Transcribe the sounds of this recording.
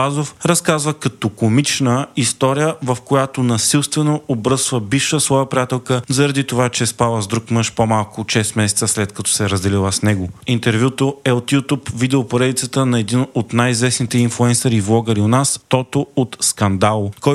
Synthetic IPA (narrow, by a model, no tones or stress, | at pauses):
azofɾɐskazvəkɐt̪okomit͡ʃnəist̪ɔɾijəvɐfkojat̪onɐsilˠst̪vɛnoobɾɤsvəbifʃəslˠɔvəpɾijat̪ɛlˠkəzɐɾɐd̪it̪ovat͡ʃɛspalˠəzd̪ɾukmɤʃpomalˠkʊʃɛsmɛsɛt̪səslɛt̪kɐt̪ɔ̥sɛɾɐzd̪ɛlilˠəsnɛɡʊint̪ɛɾvʲjut̪oɛot̪jut̪upvid̪ɛopoɾɛd̪it̪sət̪ənɐɛd̪inot̪najizvɛsnit̪ɛinflˠuɛnsɐɾivlˠɔɡəɾionast̪ɔt̪oot̪skɐnd̪alˠkɔ